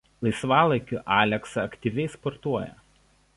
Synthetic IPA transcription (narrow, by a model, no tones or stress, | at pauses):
lˠɐɪsʋɑːlˠɐɪkʲʊʔɑːlʲɛksɐɐkt̪ʲiʋʲɛɪspɔɾt̪uɔjɛ̰